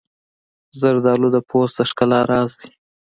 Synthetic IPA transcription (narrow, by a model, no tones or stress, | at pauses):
zəɾd̪ɑlud̪əpʰosd̪əʂkalaɾɑzd̪i̥